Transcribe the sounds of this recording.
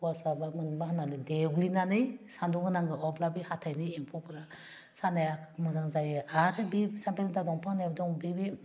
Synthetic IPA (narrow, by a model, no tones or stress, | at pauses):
pwasabamɯnbahananɯdeɡlinanɯjsanduŋɯnaŋɡɯɔblabihatʰajnɯjiŋpʰɔpɯɾa | sanajakʰmɔzaŋzajɯaɾɯbisampeltadɔŋpʰaŋnajbdɔŋbibi